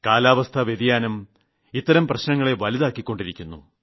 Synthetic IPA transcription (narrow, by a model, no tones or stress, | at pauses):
kaːlaːʋɐst̪ʰɐʋjed̪ijaːnɐm | it̪ːɐɾɐmprɐɕnɐŋːɐɭe̞ʋɐliðaːkːikʲːo̞ɳɖiɾikʲːunːṵ